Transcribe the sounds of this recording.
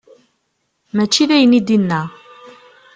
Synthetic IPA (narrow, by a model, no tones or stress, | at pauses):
mæt͡ʃːiðæjənid̪inːæ